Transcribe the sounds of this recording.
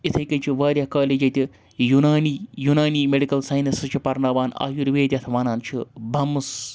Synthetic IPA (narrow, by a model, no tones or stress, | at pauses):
it̪ʰɐjkɐnt͡ʃʰiʋaːɾjɐkaːleːd͡ʒɐt̪ʲi | junaːniːjunaːniːmeɖikɐlsɐːjnɐsɨt͡ʃʰipɐɾnaːʋaːna̰ːjuɾʋeːd̪ʲjɐt̪ʰʋɐnaːnt͡ʃʰibʱɐmus